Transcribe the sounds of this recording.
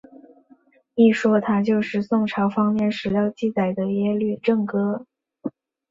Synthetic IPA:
i˥˩ʂwɔ˥t̪ʰa˥t͡ɕjo˥˧ʊʂɻ̩˥˧sʊ˥˩ŋʈ͡ʂʰɑ˧˥ʊfɑ˥ŋmjɛ˥˩nʂɻ̩˨˩jɑ˥˧ʊt͡ɕi˥˩t͡sa˨˩ɪd̪ə˦jɛ˥ly˥˧ʈ͡ʂɤ˥˩ŋkɤ˥

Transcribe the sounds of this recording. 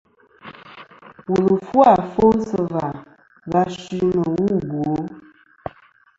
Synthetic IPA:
wu˨lə˨fwa˦˨fo˦sə˦va˨ | va˦ʃi˦nə˨wu˦˨bwo˨˦

